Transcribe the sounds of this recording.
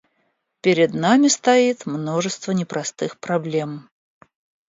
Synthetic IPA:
pʲɪɾʲɪd̪namʲɪst̪ɐit̪mno̞ʐɨst̪vənʲɪpɾɐst̪ɨxpɾɐblʲe̞m

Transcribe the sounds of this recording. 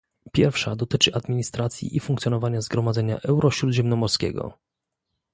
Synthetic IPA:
pʲjɛɾfʂad̪ɔt̪ɘt͡ʂɘʔad̪mʲiɲist̪ɾat̪sʲjḭʔifuŋkt̪sʲjɔnɔvaɲazɡɾɔmad̪zɛɲa̰ʔɛwɾʔɔɕɾud̪ʑɛmnɔmɔɾskʲɛ̰ɡɔ̰

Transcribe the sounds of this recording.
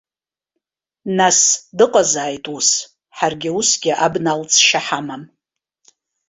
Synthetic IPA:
nasdɨqʼazaːjtʼus | ħarɡʲɪusɡʲɪʔabnalt͡sʼʰʃaħamam

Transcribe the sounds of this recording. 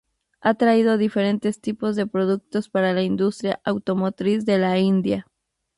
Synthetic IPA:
at̪ɾaið̞o̞ðife̞ɾe̞nt̪e̞st̪ipo̞zðe̞pɾo̞ðuk̚t̪o̞spaɾalaind̪ust̪ɾja̰ʔawt̪o̞mo̞t̪ɾisðe̞laind̪ja

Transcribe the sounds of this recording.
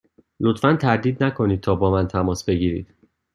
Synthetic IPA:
lo̞t̪fænt̪ʰæɾd̪iːd̪nækʰo̞niːd̪̚t̪ʰɒːbɒːmænt̪ʰæmɒːsbe̞ɟiːɾḭːd̪̥

